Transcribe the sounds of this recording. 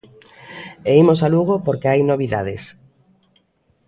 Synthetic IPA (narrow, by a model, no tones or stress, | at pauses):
eimosaluɣ̞opoɾkeajnoβiða̰ð̞es